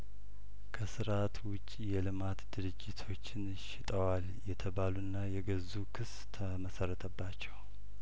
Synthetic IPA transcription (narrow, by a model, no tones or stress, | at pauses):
kʰəsɨɾat̪wʊt͡ʃʼːijɛlɨmat̪d̪ɨɾɨd͡ʒɪt̪ʰo̞t͡ʃːɪn | ʃɪt̪ʼəwal | jɛt̪ʰəβalunːajɛɡəzukʰɨs | t̪ʰəməsərːət̪ʰəbːat͡ʃːɛw